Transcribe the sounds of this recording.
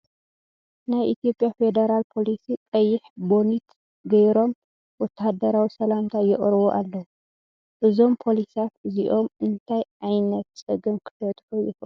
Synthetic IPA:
najʔit̪ʰijo̞pʼjafe̞d̪ɐɾalpʰo̞lisit̪ʼɐjːɪħbo̞nit̪ | ɡɐjɾo̞m | wɔt̪ʰːahd̪ɐɾawisɐlamt̪ʰajɪχʼɾɨβoʔalːɐw | ʔɨzo̞mpʰo̞lisat̪ɨziʔo̞mɨnt̪ʰajʕajnɐt̪sʼɨɡɨmkʰɨ̥fɐt̪ʼkojɪf

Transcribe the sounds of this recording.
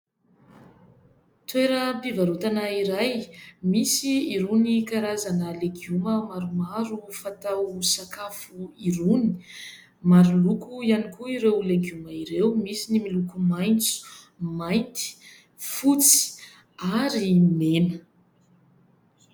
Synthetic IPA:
t̪weɾəpivaɾut̪anaiɾajmisiiɾunikaɾazanəleɡuməmaɾumaɾufat̪awsakafuiɾuni̥ | maɾulukujanikuiɾewleɡjuməiɾewmisinimilukumajnt͡su̥ | majnt̪i̥ | fut͡si̥ | aɾimenə

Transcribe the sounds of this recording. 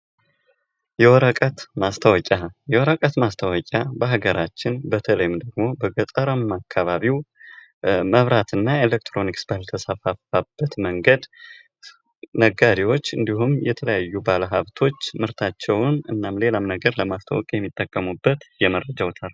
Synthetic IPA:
jɛwɔɾəkʼət̪mast̪ʰəwɔkʲʼajɛwɔɾəkʼət̪mast̪ʰəwɔkʼabəɦaɡəɾat͡ʃːɪnbət̪ʰələjɪmd̪əɡmo̞bəɡət̪ʼəɾamakʰːaβaβiw | məβɾat̪ɨnːaelek̚t̪ʰɾo̞niksbəhɨlt̪ʰəsafafab̥ːət̪məŋɡəd̪ | nəɡaɾiwo̞t͡ʃːɨnd̪iɦumjɛt̪ʰələjajːubaləɦaβt̪ʰo̞t͡ʃːmɨɾt̪ʰat͡ʃːɛwʊnɨnːamle̞lamnəɡəɾləmast̪ʰə̰wɔkʼjɛmːit̪ʼːəkʼːəmubːət̪jɛmərːəd͡ʒawt̪ʰal

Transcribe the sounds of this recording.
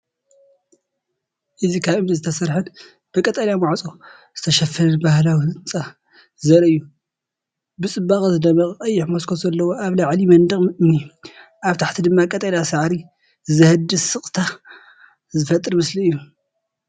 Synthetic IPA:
ʔɨzikʰaβɨmnizɨt̪ʰɐsɐɾħɨn | b̥ɨkʼɐt̪ʼɐljamaʕt͡sʼo | z̥ɨt̪ʰɐʃɐfɐɾɐnbahlawɨnt͡sʼa | zɐɾɐɨjːu | bɨt͡sʼɨbːaχʼzɨd̪ɐmɐχʼɨkʼɐjːɪħmoskʰozɐlːɐwo̞ʔaβlaʕlimɐnd̪ɨχʼɨmni | ʔaβt̪ʰaħt̪ʰid̪ɨmːakʼɐt̪ʼɐljasɨʕɾi | zɐhɨd̪ɨsɨχʼt̪ʰa | zɨfɐt̪ʼɨɾmɨsliɨjːu

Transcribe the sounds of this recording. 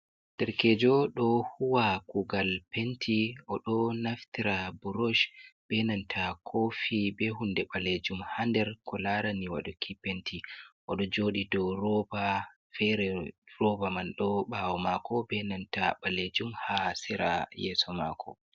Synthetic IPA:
d̥ɛɾkɛd͡ʒɔɗɔhuwakuɡalpentʰiɔɗɔnaftiɾabuɾɔʃbɛnantʰakʰofibɛɦundɛɓaled͡ʒumhandɛɾkʰɔlaɾaniwa̰ɗɔkʰipentʰiʔɔɗɔd͡ʒoːɗidɔɾɔba | fɛɾɛrɔbamanɗɔɓawɔmakʰɔbɛnantaɓaled͡ʒumhasɛɾa̰jɛsɔma̰kʰɔ̰

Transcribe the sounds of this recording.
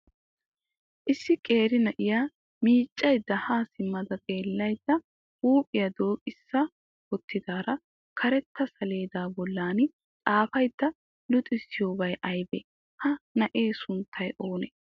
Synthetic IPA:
ʔɪsːɪkʼe̞ːɾɪnɐʔɪjaː | miːt͡ʃʼːɐjd̪ːɐhaːsɪmːɐd̪ɐt̪ʼe̞ːlːɐjd̪ːɐ | uːpʼɪjɐd̪o̞ːkʼɪsːɐ | wɔt̪ʰːɪd̪aːɾɐ | kʰɐɾɛt̪ʰːɐsɐle̞ːd̪aːbɔlːaːnɪ | t͡sʼaːfɐjd̪̥ːɐ | lʊt̪ʼɪsːɪjo̞ːbɐjʔɐjbɛ | hɐnɐʔe̞ːsʊnt̪ʰːɐjʔo̞ːnɛ

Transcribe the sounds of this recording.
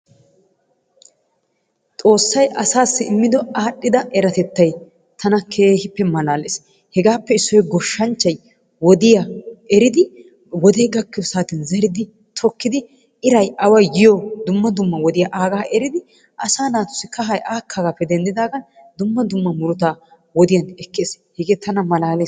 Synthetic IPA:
t̪ʼo̞ːsːɐjʔɐsaːsːɪɪmːɪd̪ɔaːɗːɪd̪ɐʔɛɾɐt̪ɛt̪ːɐj | t̪ʰɐnɐkʰeːhɪpːɛmɐlaːleːs | hɛɡaːpːɛɪsːɔjɡɔʃːɐnt͡ʃːɐj | wɔd̪ɪjɐɛɾɪd̪ɪ | wɔd̪ejɡɐkːɪjɔsaːt̪ɪnzɛɾɪd̪ɪ | t̪ʰɔkːɪd̪ɪ | ɪɾɐjʔɐwɐjːɪjɔd̪ʊmːɐd̪ʊmːɐwɔd̪ɪjaʔaːɡaːʔɛɾɪd̪ɪ | ʔɐsaːnaːt̪ʊ̥sɪkɐɦɐjaːkʰːaːɡaːpːɛd̪ɛnd̪ɪd̪aːɡɐn | d̪ʊmːɐd̪ʊmːɐmʊɾʊt̪aː | wɔd̪ɪjɐnɛkːeːs | hɛɡeːt̪ʰɐnɐmɐlaːle

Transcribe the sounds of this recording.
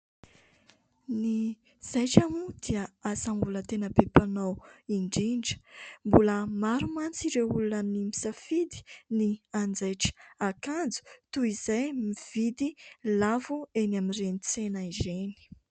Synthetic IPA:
ni | z̥ajʈ͡ʂamud̪̥iəasambulət̪enəbepanawiɳɖ͡ʐiɳɖ͡ʐə̥mbuləmaɾumant͡siɾeulunamnimi̥safid̪i̥niand͡zajʈ͡ʂə̥akand͡zu̥t̪uizajmiv̥id̪ilavuenamirenit͡senaizeni̥

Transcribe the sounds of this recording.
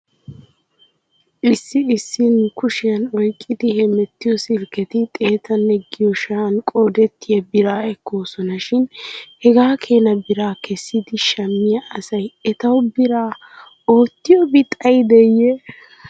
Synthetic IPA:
ʔɪsːɪɪsːɪnkʊʃɪjɐnɔjkʼːɪd̪ɪhɛmɛt̪ːɪjɔsɪɾkɛt̪ɪt̪ʼe̞ːt̪ɐnːɛɡɪjɔʃɐɐnkʼo̞ːd̪ɛt̪ːɪjɐbɪɾaːɛkːo̞ːsɔnɐʃɪnhɛɡaːkʰe̞ːnɐbɪɾaːkɛsːɪd̪ɪʃɐmːɪjɐʔɐsɐjɛt̪ɐwbɪɾaː | o̞ːt̪ːɪjɔbɪt̪ʼɐjd̪ɛjɛ

